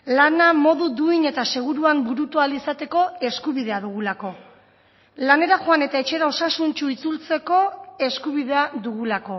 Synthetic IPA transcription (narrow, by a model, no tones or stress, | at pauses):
lanamo̞ðud̪uine̞t̪ase̞ɣ̞uɾuambuɾut̪ualisat̪e̞ko̞e̞skuβiðe̞aðuɣ̞ulako̞ | lane̞ɾaʝoane̞t̪ae̞t͡ʃe̞ɾao̞sasunt͡ʃuit͡sult͡se̞ko̞e̞skuβiðe̞aðuɣulako̞